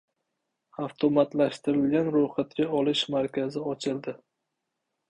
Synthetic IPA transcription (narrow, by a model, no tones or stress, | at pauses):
aft̪ʰomat̪laʃt̪ɪɾɪlɡʲanɾoχat̪̚kʲaɒlɪʃmaɾkʲʰazɪɒt͡ʃʰɪlˠd̪ɪ